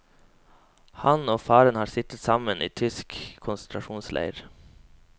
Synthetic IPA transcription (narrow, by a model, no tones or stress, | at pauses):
hɑnoːfɑːɾənhɑːɾsɪt̪ət̪sɑmənʔḭːt̪ʰʏskʰʊnsənt̪ʰɾɑʃuːnslʔæ̰ɪɾ